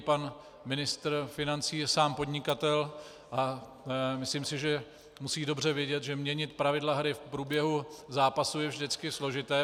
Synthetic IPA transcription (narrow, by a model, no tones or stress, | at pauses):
pan | mɪnɪst̪ɾfɪnant͡siːsaːmpo̞dɲɪkat̪ɛl | ʔa | mɪsliːmsɪʒɛ | musiːdo̞br̝ɛvjɛɟɛt̪ʒɛmɲɛɲɪt̪pɾavɪdlaɦɾɪfpɾuːbjɛɦuzaːpasujɛvʒdɪt͡skɪslo̞ʒɪt̪ɛː